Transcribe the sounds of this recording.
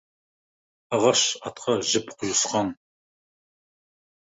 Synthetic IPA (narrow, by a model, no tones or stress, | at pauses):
ɑʁɑʃɑt̪qʰɑʒɪpqʰʊjʊsqɑn